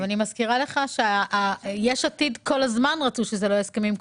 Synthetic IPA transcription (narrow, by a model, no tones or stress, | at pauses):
animazkiʁale̞χaʃeajeʃat̪id̪kʰo̞lazmanʁat͡suʃezelo̞eskemimk